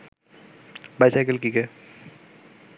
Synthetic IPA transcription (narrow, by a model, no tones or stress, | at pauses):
bajsajkəlkike